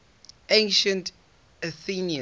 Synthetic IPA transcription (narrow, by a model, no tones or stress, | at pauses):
ẽnʃə̃nt | əθiniə̃